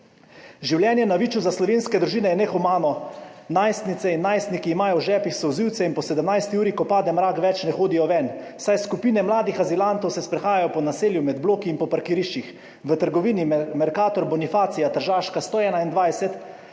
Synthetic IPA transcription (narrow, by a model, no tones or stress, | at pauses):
ʒiwljɛːnjɛnaʋiːt͡ʃuzaslɔʋeːnskɛd̪ɾuʒiːnɛjɛnɛxumaːnɔnajst̪nit̪sɛinːaːjst̪nikiːmaːjɔwʒɛːpixsɔwziwt̪sɛinpɔsɛd̪əmnajst̪iuːɾikɔpaːd̪ɛmɾaːkʋɛt͡ʃnɛxoːd̪ijɔʋɛnwsajskupiːnɛmlaːd̪ixazilant̪ɔwsɛspɾɛxaːjajɔpɔnaseːljumɛd̪bloːkiːnpɔpaɾkiɾiʃt͡ʃix | ʋət̪əɾɡɔʋiːnimɛɾkaːt̪ɔɾbɔnifaːt̪sijat̪əɾʒaːʃkast̪oːɛːnaind̪ʋajsɛt̪